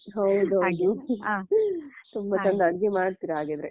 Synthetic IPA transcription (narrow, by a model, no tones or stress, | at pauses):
ɦɐwd̪uɦɐwd̪u | t̪umbɐt͡ʃɐnd̪ɐɐɽɡemaːɖt̪iːɾɐɦaːɡed̪ɐɾe